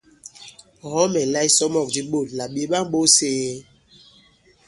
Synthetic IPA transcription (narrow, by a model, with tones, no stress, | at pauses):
ɦɔ˦mɛ˨la˦i˦sɔ˦mɔ˨k̚di˦ɓo˦˨lla˨ɓi˨e˨ɓa˦ŋ˦ɓo˦seː˦